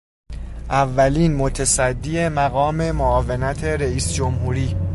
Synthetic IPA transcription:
ʔævːæliːnmot̪ʰesæd̪ːiemæɣɒːme̞moɒːve̞næt̪ʰe̞ɾeiːsd͡ʒomhuːɾiː

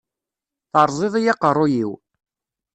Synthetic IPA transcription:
θəɾˤzˤeðˤijɑqərˤːʊjiw

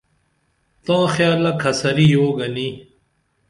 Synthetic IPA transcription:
t̪ãːxjaːlɐkʰɐsɐɾiːjoːɡɐniː

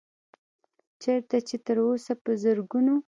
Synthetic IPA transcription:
t͡ʃeɾt̪at͡ʃet̪əɾosapəzəɾɡuno

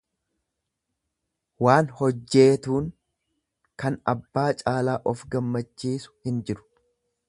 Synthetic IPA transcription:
waːnhɔd͡ʒːe̞ːt̪uːŋ | kɐnɐbːaːt͡ʃʼaːlaːʔɔfɡɐmːɐt͡ʃːiːsʊ̥hɪnd͡ʒɪɾʊ̥

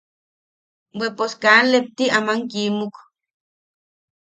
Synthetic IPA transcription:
weposkaːnlep̚t̪iamaŋkimuk

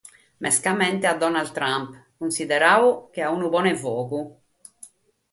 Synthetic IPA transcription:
mʔɛskamɛnt̪ɛad̪ːɔnald̪t̪ːɾampkunsid̪ɛɾaːuk̟eaunuβɔːnɛvɔːɣu

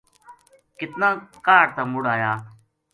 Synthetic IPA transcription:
kɪt̪nãːkaːɾt̪aːmʊɽaːjaː

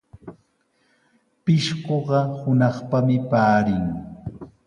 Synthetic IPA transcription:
pɪʃɢoɢɑhʊnɑχpamɪpaːɾɪŋ

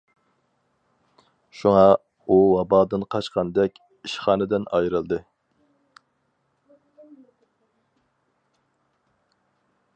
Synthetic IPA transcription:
ʃuŋɑ | uwɑbɑːd̪ɨnqʰɑt͡ʃqɑnd̪ɛkʲ | iʃχɑːnɨd̪ɪnɑjɾɨlˠd̪ɨ

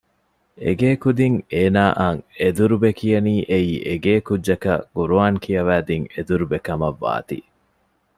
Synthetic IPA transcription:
ḛɡeːkud̪iŋeːnaːʔaŋed̪uɾubekijɐniːʔeiːʔeɡeːkudʒɐkɐ̰ɡ̥uɾuaːŋkʰijɐʋæːd̪iŋed̪uɾubekɐmɐʋːa̰ːt̪ḭ

